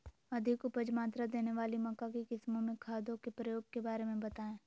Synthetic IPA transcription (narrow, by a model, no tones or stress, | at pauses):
ɐd̪ʱɪkʊpəd͡ʒmaːt̪ɾad̪eːneʋaːlimɐkakekɪsmõmẽkʰaːd̪õkepɾəjoːɡ̚kebaːɾemẽbɐt̪aːẽː